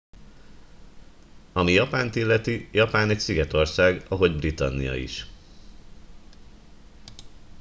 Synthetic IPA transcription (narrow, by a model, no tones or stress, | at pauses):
ɒmijɒpaːnt̪ilːɛt̪ijɒpaːnɛcsiɡɛt̪o̞rsaːɡɒɦo̞ɟbrit̪ɒ̰nːijɒ̰ḭʃ